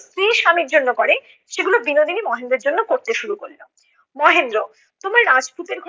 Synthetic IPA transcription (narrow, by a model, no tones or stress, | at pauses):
st̪ɾiʃamiɾd͡ʑonːokoɾe | ʃeɡulobinod̪ʱinimɔɦend̪ɾeɾd͡ʑonːokoɾt̪eʃuɾukollo | mɔɦend̪ɾo | t̪omaɾɾad͡ʑput̪eɾʱ